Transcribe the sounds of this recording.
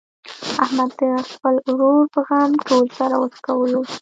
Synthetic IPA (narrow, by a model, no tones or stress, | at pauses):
ahmad̪ːəxpəlɾoɾpəɣamʈolsaɾawəɾkawəlo